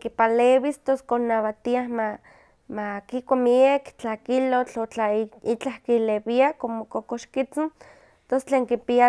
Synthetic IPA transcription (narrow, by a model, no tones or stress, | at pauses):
kipalewist̪oskonaβat̪iahma | makikʷamiekt͡ɬakilot͡ɬot͡ɬait͡ɬahkilewiakomokokoʃkit͡sin | t̪ost͡ɬeːŋkipia